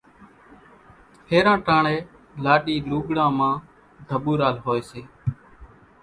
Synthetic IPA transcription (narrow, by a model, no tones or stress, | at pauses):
pʰeːɾãːʈaːɳeː | laːɗiːluːɡɽãːmãː | d̪ʱəɓuːɾaːlɦoːeːseː